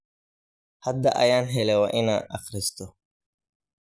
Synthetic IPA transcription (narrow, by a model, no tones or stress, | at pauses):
hɐd̪ːɐʔɐ̰jaːnɦɛlɛwɐʔɪnɐʔɐxɾɪst̪ɔ